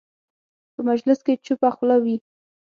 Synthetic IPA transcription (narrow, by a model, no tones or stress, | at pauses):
pəmad͡ʒlɪsket͡ʃupaxlawi